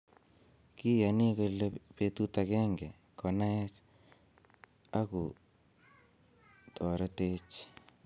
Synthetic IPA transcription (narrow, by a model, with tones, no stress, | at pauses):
ki˦ja˨ni˦ko˧lepe˨tu˦ta˨kɛ˦ŋɡɛ˨ | kɔ˨na˦ɛ˦t͡ʃ | a˦ku˨ | tʰɔ˨ɾe˦te˦t͡ʃ